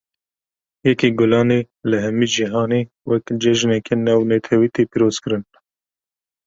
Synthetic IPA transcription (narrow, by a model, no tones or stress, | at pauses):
jɛkiɡʊlɑːne | lɨɦɛmiːd͡ʒiɦɑːneː | wɛkd͡ʒɛʒnɛkenɛːwnɛt̪ʰɛwiːt̪eːpiːɾoːz̥kɨɾɨn